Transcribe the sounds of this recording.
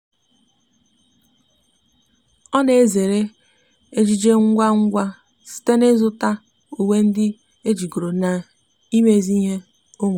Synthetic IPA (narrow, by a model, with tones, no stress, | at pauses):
ɔ˦ne˨e˦ze˨ɾe˦ | e˦d͡ʒi˦d͡ʒe˦ŋ̩˦ɡʷa˦ŋ̩˦ɡʷa˦ | sɪ̥˨te˦ne˦zʊ˦ta˦ | u˨we˦n̩˦dɪ˦ | e˦d͡ʒi˨ɡo˨ɾo˨na˨ | i˦me˦˨zi˦ɦe˦ | o˦ŋʷ˨